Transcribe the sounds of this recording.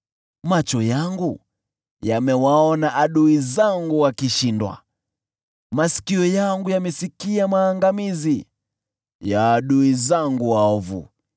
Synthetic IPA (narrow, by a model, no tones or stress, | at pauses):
mat͡ʃɔjaŋɡu | jamɛwaɔnaʔaɗuizaŋɡuwakiʃindwa̰ | masi̥kiɔjaŋɡujamɛsikiamaːŋɡamizi | jaːɗuizaŋɡuwaɔvṵ